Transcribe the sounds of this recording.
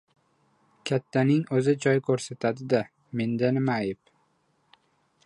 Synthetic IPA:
kʲʰat̪ʰːanɪŋɵzɪd͡ʒɒjkʰɵɾsat̪ʰad̪ɪd̪a | me̞nd̪anɪmaːjɪp

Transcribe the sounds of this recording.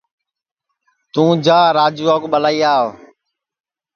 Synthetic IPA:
t̪ũːd͡ʒaːɾaːd͡ʒuːaːkɓəlaːiːaːo

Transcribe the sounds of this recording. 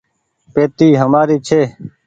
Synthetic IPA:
peːt̪iːɦəmaːɾiːt͡ʃʰeː

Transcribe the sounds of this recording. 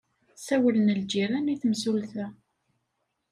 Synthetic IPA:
sæwələnəld͡ʒiɾæniθəmsulθæ

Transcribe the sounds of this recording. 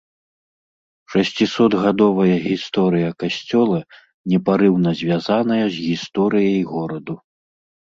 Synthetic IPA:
ʂɐsʲt͡sʲisɔd̪ɣad̪ɔvɐjɐɣʲist̪ɔɾɨjɐkasʲt͡sʲɔlˠɐ | nʲɛpaɾɨwnɐzʲvʲjazanɐjɐzʲɣʲist̪ɔɾɨjɐjɣɔɾɐd̪u

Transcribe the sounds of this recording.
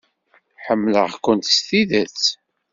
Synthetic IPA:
ħəmːlə̰ʁkʷʊnt̪st̪iðæt͡s

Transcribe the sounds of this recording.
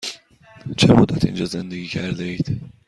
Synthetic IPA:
t͡ʃʰɛmod̪ɒt̪ḭnd͡ʒɒzɛnd̪eɡikʰɛrd̪eit̪

